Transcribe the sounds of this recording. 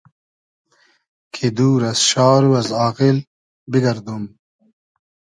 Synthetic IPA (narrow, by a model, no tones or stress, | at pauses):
kʰid̪uːɾɐsɕɑːɾuɐzaːqil | biɡɐɾd̪um